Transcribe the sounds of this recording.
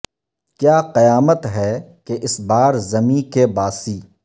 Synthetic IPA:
kjaːqɐjaːmət̪ɦɛːkeʔɪsbaːɾzɐmĩkebaːsiː

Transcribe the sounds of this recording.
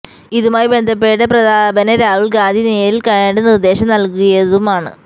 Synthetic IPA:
iðumaːjbe̞nd̪ʱɐp̬ːe̞ːʈːɐprɐd̪aːbɐnɐɾaːʋuɭɡaːnd̪ʱineːjɾilkɐɻeːnɽenird̪e̞ːɕɐmnɐlkuɣɐjɐðumaːɳɨ̰

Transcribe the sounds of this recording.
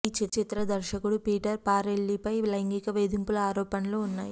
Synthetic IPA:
iːt͡ʃit̪t͡ʃit̪ɾɐd̪ɐɾʃɐkuɽupiːʈɐɾpaːɾeɭːipɐjlɐŋɡikɐʋeːd̪impulɐaːɾɔːpɐnɐloːunːaːji

